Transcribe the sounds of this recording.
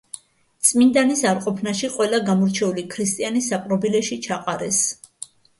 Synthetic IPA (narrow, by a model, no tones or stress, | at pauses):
t̪sʼmind̪anisaɾqʼɔpʰnaʃiqʼwɛlaɡamɔɾt͡ʃʰɛulikʰɾist̪ʼianisapʼɾɔbilɛʃit͡ʃʰaqʼaɾɛs